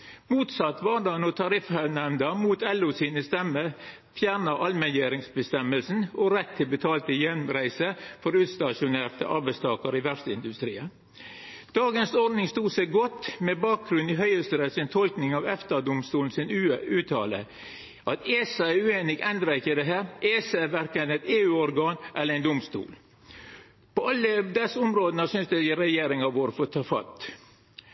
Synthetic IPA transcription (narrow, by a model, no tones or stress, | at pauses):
muːt̪sɑt̪ːʋɑːd̪ɑːnɔt̪ʰɑɾɪfhænɛmnd̪ɑmuːt̪ʰɛlːʊsiːnəst̪ɛmə | fjæːɾnɑʔɑlmɛnjeːɾɪŋsbəst̪ɛməlsn̩ɔɾɛt̪ʰːɪlbət̪ʰɑːlt̪əjɛnɾæɪsəfɔɾʉːt̪st̪ɑʃʊneːɾt̪ə̰ʔɑ̰ɾbæɪst̪ʰɑːkəɾɪʋæst̪əɪnd̪ʉst̪ɾiːə | d̪̥ɑːɡənsɔɾd̪nɪŋst̪uːsæɪɡɔt̪ːmɛbɑːk̚ɡɾʉniɦœʏəst̪əɾɛsɪnt̪ʰɔlknɪŋɑʋɛft̪ɑd̪ʊmst̪uːln̩sɪnʉʉːt̪ʰɑːlə̰ | ʔɑt̪esɑæɾʉːeːnɪɡɛnd̪ɾɑɪkːəd̪ɛɦæːɾʔeːsɑɛʋæɾkənɛɪt̪eːʉːɔɾɡɑːnʔɛlːəɾɛnd̪ʊmst̪ṵːl | pʰɔɑlːəd̪ɛsːʊmɾoːd̪ənəsʏnsd̪ɛɪɾɛjeːɾɪŋɑʋoːɾfoːt̪ʰɑːfɑ̰t̪